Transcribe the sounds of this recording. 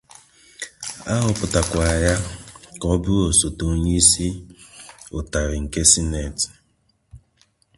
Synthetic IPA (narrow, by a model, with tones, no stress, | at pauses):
a˦ɦʊ˨pʊ˨ta˨kʷa˨ja˦kɔ˦bʊ˦ɾo˨so˨to˨˦ɲi˦si˦ | ʊ˨ta˨ɾɪ˨ŋ̩˨ke˦si˦ne˨ti̥˨